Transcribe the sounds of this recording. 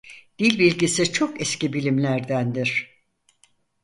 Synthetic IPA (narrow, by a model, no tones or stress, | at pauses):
d̪̥ilʲbilʲɟisit͡ʃʰo̞kɛscibilʲimlʲæɾd̪ænd̪iɾ̥